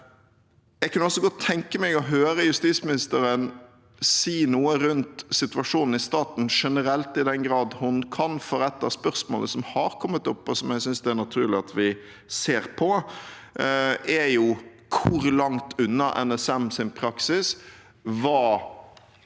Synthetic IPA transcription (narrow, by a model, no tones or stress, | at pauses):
jɛɡkʰɑnɔsːɔɡɔt̪ʰːɛŋkəmæɔɦøːɾəjʉst̪iːt̪smɪnɪst̪əɾən | siːnuːəɾʉnt̪sɪt̪ʉʋɑʂuːnn̩ɪst̪ɑːt̪n̩ʂɛnəɾɛlt̪ɪd̪ɛnɡɾɑːd̪hʊnkʰɑnfɔɾɛt̪ːɑspœɾsmo̰ːləsɔmhɑɾkʰɔmːət̪ʊpːɔsɔmjɛɡsʏnsd̪ɛæɾnɑt̪ʰʉːɾɭɪɑt̪ʰʋɪ | seːɾpʰɔ | æjʊ | kʰʊɾlɑŋt̪ʰʉnːɑʔɛ̰nɛsɛmsɪnpʰɾɑksɪs | ʋɑː